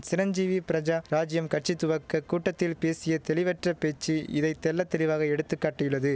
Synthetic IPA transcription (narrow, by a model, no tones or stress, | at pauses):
sɪɾɐɲd͡ʒiːʋipɪɾɐd͡ʒaɾaːd͡ʒɪjɐmkɐʈ̚t͡ʃɪt̪ːʊʋɐkːɐkːuːʈːɐt̪ːɪlpeːsɪjɐt̪ɛlɪʋɐʈrɐpeːt͡ʃːiɪðɐɪt̪ɛlːɐt̪ːɛlɪʋaːɣɐɛɽɯt̪ːɯkːaːʈːɐjɯɭːɐðɯ